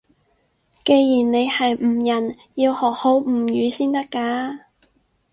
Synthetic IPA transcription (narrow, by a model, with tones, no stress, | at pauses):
ke˧jjiː˨˩nne˨˧jhɐ˨jm̩˨˩jɐ˨˩njiː˧whɔː˨˩k̚ho˨˥wm̩ː˨˩jyː˨˧siː˥nt̪ɐ˥kːaː˧